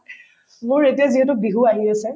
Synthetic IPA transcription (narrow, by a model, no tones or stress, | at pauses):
mʊɹetijaziɛtʊbiɦuaɦiasɛ